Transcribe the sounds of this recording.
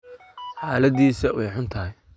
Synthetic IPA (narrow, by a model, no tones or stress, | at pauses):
ħaːlɐðiːsɐwɛjħʊnt̪ʰɐɦɪj